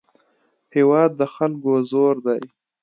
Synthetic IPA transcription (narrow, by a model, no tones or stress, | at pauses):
hewɑd̪̚ːəxalkozoɾd̪aj